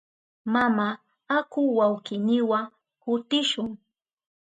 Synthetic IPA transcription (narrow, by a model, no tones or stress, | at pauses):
mama | akʊwawkɪnɪwa | kʊt̪ɪʃʊŋ